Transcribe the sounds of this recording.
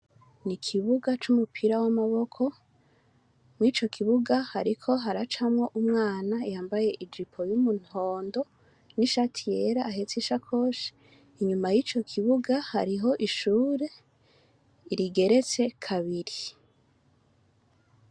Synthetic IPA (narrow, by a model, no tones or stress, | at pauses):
nikʰiβuɡat͡ʃumupʰiɾawamaβo̞kʰo̞ | mŋit͡ʃo̞kʰiβuɡahaɾikʰo̞ɦaɾat͡ʃamŋo̞ʔumŋaːnaijaːmbaje̞ʔid͡ʒipʰo̞jumunho̞ːndo̞ | niʃatʰijeɾaːɦet͡siʃakʰo̞ːʃi̥ | iɲumajiːt͡ʃo̞kʰiβuɡaha̰ɾiɦo̞ʔiʃuːɾe̞ | iɾiɡe̞ɾe̞t͡se̞kʰaβiɾi